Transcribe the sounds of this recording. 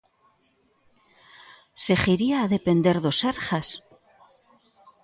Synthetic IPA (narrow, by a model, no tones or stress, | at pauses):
se̞xiɾiaːðe̞pe̞nd̪e̞ɾðo̞seɾxas